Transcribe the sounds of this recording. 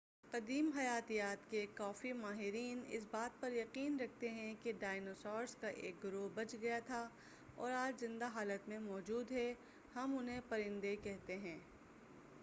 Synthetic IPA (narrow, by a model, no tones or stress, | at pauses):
qɐd̪iːmɦɐjaːt̪ijaːt̪kekɔːfimaːɦɪɾiːnɪ̰s̬baːt̪̚pɐɾjɐqiːnɾɐk̚ʰt̪eɦɛ̃keɖaːɪnoːsɔːɾskaʔḛːk̚ɡʊɾoːbɐt͡ʃɡɐjat̪ʰa | ɔ̰ːɾaːd͡ʒzɪ̃nd̪aɦaːlət̪mẽmɔːd͡ʒuːd̪ɦɛ | hɐmʊnɦẽpɐɾɪ̃nd̪ekɛɦt̪eɦɛ̃ː